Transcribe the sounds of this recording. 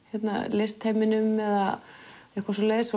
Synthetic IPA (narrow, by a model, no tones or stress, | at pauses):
çɛt̪na̰lejst̪ʰhajmɪnʏmːɛða̰ɛhkvasɔleːjðɪs